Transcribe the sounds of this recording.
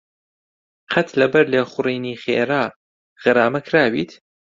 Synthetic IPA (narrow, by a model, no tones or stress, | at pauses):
qʰɐt̪lɐbɐɾleːχʊriːniːxḛːɾaː | ɣɨɾaːmɐkʰɾaːbiːt̪